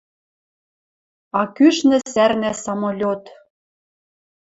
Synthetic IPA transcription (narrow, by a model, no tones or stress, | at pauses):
ɑkyʃnɘ̆særnæsɑmolʲot̪